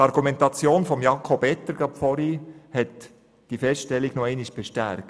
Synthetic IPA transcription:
tɑɾɡumɛntɑt͡sjoːnfɔmjɑkʰobɛt̪ːəɾɡ̥ɑpfɔɾihɛt | d̥ifɛsʃtɛliɡnɔɛɪniʃb̥ɛʃtæɾkt

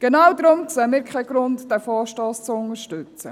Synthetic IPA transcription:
ɡ̥enawdɾʊmt͡səmɪːɾkʰχɛɡ̥ɾʊntd̥ɛfɔːʃtɔːst͡sʊŋəɾʃtʉt͡st͡sə̰

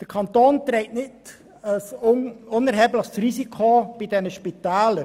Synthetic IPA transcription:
d̥əɾkʰɑntoːntɾeɪtnɪt | əsʊnɛɾɦɛːbləχsɾisikʰob̥ɪdɛnəʃpitɛːlə

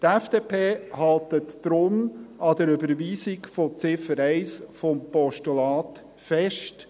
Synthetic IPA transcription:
t̪ɛfd̥epʰeːhɑlt̪ətːɾʊmɑd̪əɾʏbəɾʋiːsikfot͡sɪfəɾɛɪsfɔmpɔʃtulɑːt̪ | fɛʃt

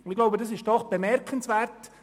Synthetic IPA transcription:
ɪɡ̥lɔʊbədɑs̬ɪʃd̥ɔχb̥əmɛɾkʰənsʋɛːrt

